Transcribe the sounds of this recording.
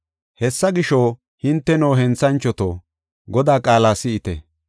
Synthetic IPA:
hɛsːɐɡɪʃoː | hɪnt̪ːɛnoːɦɛnt͡sːɐnt͡ʃːɔt̪o̰ː | ɡɔd̪aːkʼaːlaːsɪɪt̪ɛ̰

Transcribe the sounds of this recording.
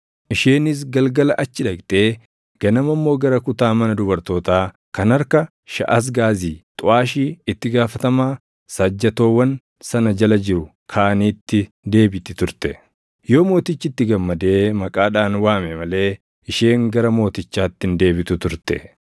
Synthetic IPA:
ʔɪʃeːnɪs̬ɡɐlɡɐlɐʔɐt͡ʃːɪᶑɐkt̪ʼeː | ɡ̥ɐnɐmɐmːo̞ːɡɐɾɐkʊt̪aːmɐnɐd̪ʊbɐɾt̪o̞ːt̪aː | kɐnɐɾkɐ | ʃɐ̰ʔɐs̬ɡaːziːt̪ʼʊʔaːʃiːɪt̪ːɪɡaːfɐt̪ɐmaː | sɐd͡ʒːɐt̪o̞ːwɐn | sɐnɐd͡ʒɐlɐd͡ʒɪɾʊ | kʰaːniːt̪ːɪ | d̪e̞ːbɪt̪ɪt̪ʊɾt̪ɛ | jo̞ːmo̞ːt̪ɪt͡ʃːɪt̪ːɪɡɐmːɐd̪e̞ːmɐkʼaːᶑaːnwaːmɛmɐle̞ː | ʔɪʃeːŋɡɐɾɐmo̞ːt̪ɪt͡ʃːaːt̪ːɪnd̪e̞ːbɪt̪ʊt̪ʊɾt̪ɛ̰

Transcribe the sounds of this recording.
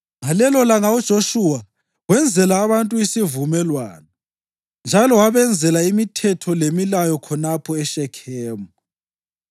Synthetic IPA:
ŋalɛlɔlaŋaud̥ʒ̥ʱoʃuwa | wɛnd͡zʱɛlaːβantʼuisivumɛlwa̰ːnɔ | nd͡ʒʱalɔwaβɛnd͡zʱɛlaimitʰɛtʰɔlemilajɔkʰɔnapʰɔɛʃɛkʰɛːmɔ

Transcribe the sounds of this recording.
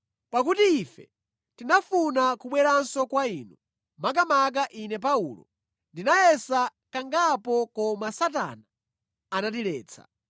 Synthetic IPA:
pak̬utiːfɛ̰ | tinafunakuɓwɛɾansɔkwaiːnu | mak̬amak̬aʔinɛp̬aulɔ̰ | ndinaɛsakaŋɡapɔkɔmasata̰naː | nat̬iɾɛːt͡sʰa̰

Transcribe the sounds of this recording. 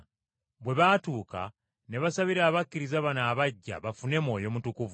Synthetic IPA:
βwe̞βatuːka̰ | ne̞βasaβiɾaːβakːiɾizaβanaːβaɟːa̰βafune̞mo̞ːjo̞mutukuvu

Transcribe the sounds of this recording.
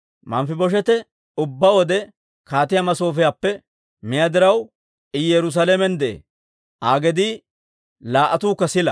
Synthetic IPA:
mɐmfɪbɔʃ̬ɛt̪ɛ | ʊbːɐwɔd̪ɛ | kaːt̪ɪjamɐso̞ːfɪjaːpːɛ | mɪjad̪ɪɾɐw | ɪjɛɾʊs̬ɐːlɛmɛnd̪ɛḛː | ʔaːɡɛd̪i | laːʔɐt̪uːkːɐsɪlɐ

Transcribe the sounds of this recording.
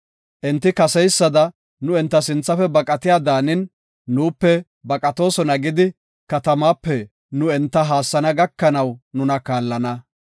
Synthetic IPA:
ʔɛnt̪ːɪkɐsɛjsːɐd̪ɐ | nʊɛnt̪ːɐsɪnt͡sːɐfɛbɐkʼɐt̪ɪjaːd̪aːnɪnː | uːpːɛ | bɐkʼɐt̪o̞ːsɔnɐɡɪd̪ɪ | kɐt̪ɐmaːpːɛ | nʊɛnt̪ːɐɦaːsːɐnɐɡɐkːɐnɐwnʊnɐkaːlːɐnɐ

